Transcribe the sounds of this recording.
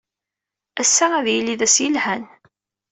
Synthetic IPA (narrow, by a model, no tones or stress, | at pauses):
æsːææðjiliðæsjəlhæn